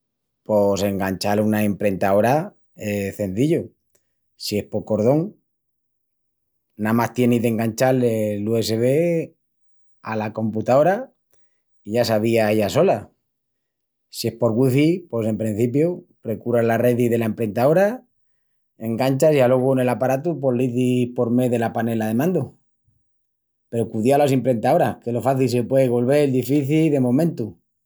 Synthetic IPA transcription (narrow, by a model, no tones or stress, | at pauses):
po̞se̞ŋɡant͡ʃalunae̞mpɾe̞nt̪ao̞ɾa | eθe̞nθiʎo | sie̞spo̞ɾko̞ɾð̞o̞ŋ | namast̪je̞nizðe̞ŋɡant͡ʃalelue̞se̞βe̞ | alako̞mput̪ao̞ɾa | iʝasaβiaeʝaso̞la | sie̞spo̞ɾɣwiθipwe̞se̞mpɾin̟θip̬jopɾe̞kuɾazlare̞ðiðe̞lae̞mpɾe̞nt̪ao̞ɾa | e̞ŋɡant͡ʃasjalwo̞ɣ̞one̞lapaɾat̪upo̞liθipo̞ɾme̞ðe̞lapane̞laðe̞mãnd̪o | pe̞ɾokuðialos̬impɾe̞nt̪ao̞ɾakelo̞faθils̬epwe̞ðeɣo̞lβ̞e̞ld̪ifiθilðe̞mõ̞mẽnt̪u